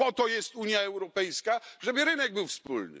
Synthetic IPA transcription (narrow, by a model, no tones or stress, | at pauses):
ɔt̪ɔjɛst̪uɲjaɛwɾɔpɛjskaʐɛbɘɾɘnɛɡ̚bɘwfspṵlnɘ̰